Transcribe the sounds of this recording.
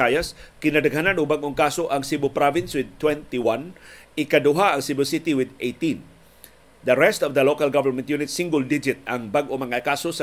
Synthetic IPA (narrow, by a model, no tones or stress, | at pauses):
ajaskinadəɡɦananubaŋɔŋkasoʔaŋsibupɾɔvɪnswɪd̪̚t̪ːwɛ̃nt̪iwanikaduɦaːŋsibɪlsit̪iwɪd̪et̪ĩn | d̪əɾɛst̪ɔvd̪əlokalɡavəɾmɛ̃nt̪junɪt̪sĩŋɡʊldid͡ʒɪt̪̚aŋbaŋʔɔmaŋakasusə